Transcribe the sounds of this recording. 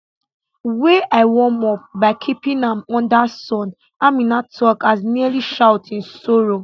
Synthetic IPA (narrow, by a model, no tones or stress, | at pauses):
weʔaɪwɔ̃mɔp̚baɪkʰipĩnãmɔ̃ndasɔ̃n | amĩnatʰɔkasnialiʃaʊtĩnsoɹo